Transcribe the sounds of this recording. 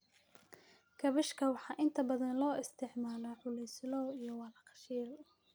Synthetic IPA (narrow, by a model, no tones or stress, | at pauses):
kʰɐβɪʃkʰɐwɑħɑːʔɪnt̪ʰɐbɐðɐnlɔːɪst̪ʰɪʕmaːlɐʕʊlɛjslɔːijɔwɑːlɐqɑ̥ʃiːl